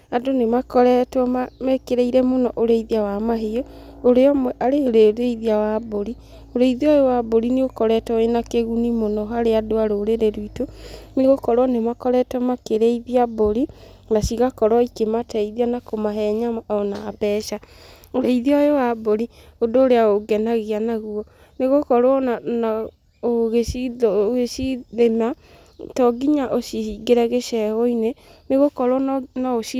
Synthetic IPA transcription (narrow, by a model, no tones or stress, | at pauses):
adonemakɔɾɛtwɔmamɛkeɾeiɾɛmonɔʔoɾeiðiawamaɦeooɾeɔmwɛʔaɾeoɾeɾeiðiawaboɾi | oɾeiðiɔjowaboɾineɣokɔɾɛtɔenakeɣunimonɔɦaɾeadoaɾoːɾeɾeɾwitoneɣokɔɾoɔnemakɔɾɛtwɔmakeɾeiðiaboɾi | nasiɣakɔɾwɔikematʰɛiðianakomaɦɛɲaɔnabɛʃa | oɾeiðiɔjowaboɾi | ondoːɾeaoɡɛnaɣianaɣuɔ | neɣokɔɾwɔnana | oɣeiɣesiðema | tɔɡiɲaʔoʃiiɡeɾɛɣeʃɛɣoineneɣokɔɾwɔnaoʃi